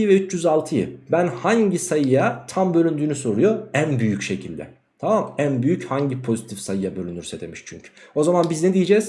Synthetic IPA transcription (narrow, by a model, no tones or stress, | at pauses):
vɛyt͡ʃʰjyzalˠt̪ʰɯjɯ̰bænhaɲɟisajɯjat̪ʰambø̞lʲynd̪yːnyso̞ɾujo̞ænbyjycʃe̞cʰilʲd̪ɛ̰ | t̪ʰamamænbyjychaɲɟipʰo̞zit̪ʰifsajɯjabø̞lʲynyɾsɛd̪e̞̰miʃt͡ʃʰyɲcʰy̥o̞zamanbizned̪ijed͡ʒɛz̥